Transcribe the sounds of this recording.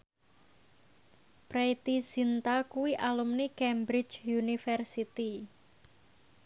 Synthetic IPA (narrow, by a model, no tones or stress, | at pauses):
pɾet̪isint̪akuwiʔalumnikɛmbɾɪt͡ʃunifɛrsit̪i